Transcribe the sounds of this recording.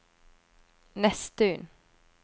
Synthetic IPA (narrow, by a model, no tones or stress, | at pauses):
nɛst̪əʏn